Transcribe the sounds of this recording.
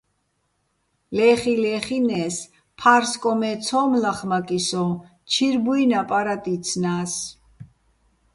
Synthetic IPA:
lɛχilɛχinɛs | pʰaɾskʼɔmɛt͡sʰɔːmlaχmakʼisɔ | t͡ʃʰiɾbuinapʼaɾat̪ʼit̪t͡sʰnaːs

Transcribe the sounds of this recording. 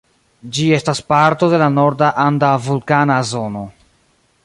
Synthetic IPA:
d͡ʒie̞staspaɾto̞de̞lano̞ɾdaʔandavulkanazo̞no̞

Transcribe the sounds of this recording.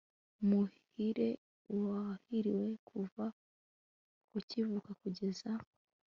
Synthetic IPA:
muh | iɾe̞ | wahiɾiwe̞kʰuva | ucivukakuɟe̞za

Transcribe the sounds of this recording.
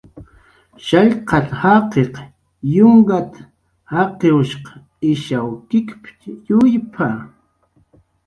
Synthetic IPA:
ʃaʎqɑt̪hɑqeq | jʊŋɡat̪ḁ | hɑqeʊʃqɑ̥ | ɪʃawkɪkpjʊjpʰa

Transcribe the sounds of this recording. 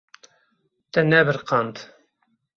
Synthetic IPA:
t̪ɛnɛbɨɾqʰɑnd̪

